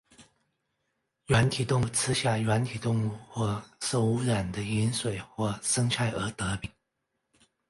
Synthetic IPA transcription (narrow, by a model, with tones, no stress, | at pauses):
ɥa˧˥nt̪ʰi˨˩t̪ʊ˥˧ŋ˥˩t͡sʰɹ̩˥ɕja˥˩ɥa˧˥nt̪ʰi˨˩t̪ʊ˥˧ŋu˥˧˩xwɔ˥˩so˥˩ʊu˧˥ɻa˨˩nd̪ə˦i˧˥nswe˨˩ɪxwɔ˥˩sɤ˥ŋt͡ɕʰa˥˩ɪʔə˞˧˥t̪ɤ˧˥pi˨˩˦